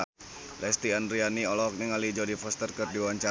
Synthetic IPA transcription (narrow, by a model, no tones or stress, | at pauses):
lɛst̪iandɾianiɔlɔk̚niŋalid͡ʒɔdifɔst̪ərkərdiwaɲt͡ʃa